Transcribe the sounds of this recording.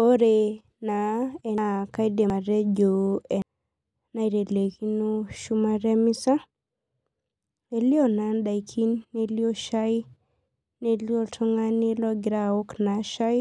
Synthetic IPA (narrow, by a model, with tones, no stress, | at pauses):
o˦ɾe˨ | na˨ɛ˨ka˦jde˨a˨ɾe˦d͡ʒo˨ɛ˨ | na˦i˨ɾe˨le˨ki˦no˦ʃu˦maɾe˦mi˦sa˦ | e˨li˦ɔ˦na˦nda˨ikʰi˦nːe˦li˦o˦ʃa˦j | ne˦li˦ɔ˦tʰɔ˦ŋa˦ni˦lɔ˦ɡi˨ɾa˦o˦kna˨ʃa˦j